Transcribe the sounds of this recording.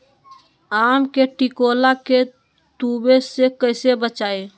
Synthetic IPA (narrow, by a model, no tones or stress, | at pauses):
amkeʈikolake | t̪ubesekəɪsebət͡ʃae